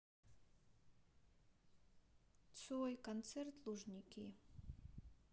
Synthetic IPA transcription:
t͡sʰojkʰant͡sʰert̪ʰluʐnʲikʲʰi

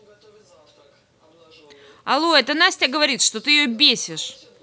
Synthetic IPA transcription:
ɐlˠoɛt̪ənasʲtʲaɡəvɐɾʲit̪ʂt̪o̞t̪ɨjɪjobʲesʲɪʂ

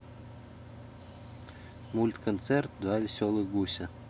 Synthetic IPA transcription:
mulʲt̪kʰont̪sert̪̚d̪vavʲesʲolˠɨxɡusʲə

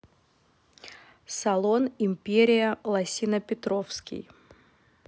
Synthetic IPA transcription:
sɐlˠonɪmʲpʲeɾʲɪjəlˠɐsʲinəpʲɪt̪ɾofskʲɪ̰j

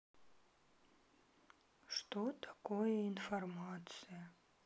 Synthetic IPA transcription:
ʂt̪ot̪ʰḁkojəinfɐrmat̪t͡s̪ɨjɐ

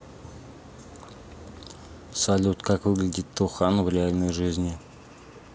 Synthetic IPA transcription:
salʲut̪kʰɑkɵɡʲɪlʲd̪ʲit̪ʰːuχɑnvrʲealʲnojʒɨzʲnʲi

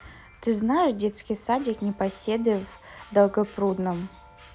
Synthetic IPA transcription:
t̪ɨznajɪʂdʲe̞t̪skʲɪjsadʲɪknʲɪpɐsʲed̪ɨv | d̪ɐlˠɡɐpɾud̪nəm

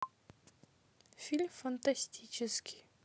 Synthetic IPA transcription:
fʲilʲmfɐnt̪asʲtʲit͡ʃɪskʲi̥

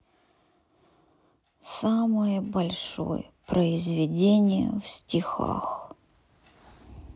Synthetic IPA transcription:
saməjəbɐlʲʂo̰jəpɾəɪzvʲɪdʲenʲɪjə̰fsʲtʲɪxa̰x

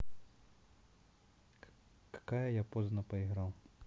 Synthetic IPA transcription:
kḁkajɐjapɔznɐpɐiɣɾaw

